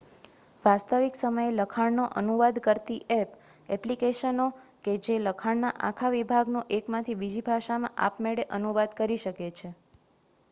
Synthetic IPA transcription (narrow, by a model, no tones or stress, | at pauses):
ʋast̪əʋiksəməjeləkʰaɳnoʔənuʋad̪kəɾt̪iʔɛp | ɛplikeʃəno | ked͡ʒeləkʰaɳnaʔa̰kʰaʋibʱaɡnoʔekmãt̪ʰibid͡ʒibʱaʃamã̰ʔa̰pmeɽeʔənuʋad̪kəɾiʃəket͡ʃʰe